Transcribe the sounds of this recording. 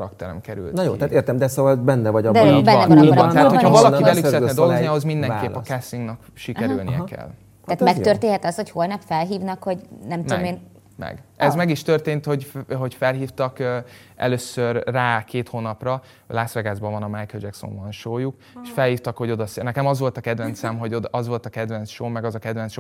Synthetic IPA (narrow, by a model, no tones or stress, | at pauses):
ɾɒkt̪ɛɾɛ̰mkɛɾy̰ltnjo̰ːt̪at̪eːrt̪ɛmd̪ɛsoːvɒlbɛnːɛvɒɟɒd̪bɛnɛb̪ɛaːt̪ho̥hɒvɒlɒkibɛlykssɛɾɛt̪nɛd̪o̞lˠɡozniɒho̞zmind̪ɛkkeːpɒkɛsiŋɡnɛk | ʃikɛɾylnḭjɛ̰kɛ̰lː | taːt̪mɛk̪ørt̪eːnɦɛt̪ɒshocholnɛpfɛlɦiːvnɒkhoɟnɛmt̪d̪omeːn | mɛ̰ɡɛzmɛɡiʃt̪ørt̪eːnt̪hoɟɦo̞ɟfɛlɦiːft̪ɒkøː | ɛ̰løːsørːaːkeːt̪hoːnɒprɒ | laːsvɛɡaːzbɒvɒnɒmajkɛld͡ʒɛkso̰ɱbɒnʃoːjuk | eʃfɛlhiːft̪ɒkho̞ɟo̞d̪ɒsnɛkɛmɒzʋo̞lt̪ɒkɛd̪vɛnt̪sɛmɦo̞ɟod̪ɒzʋo̞lt̪ɒkɛd̪vɛnt̪sʃoːmɛɡɒzɒkɛd̪vɛnsʃoː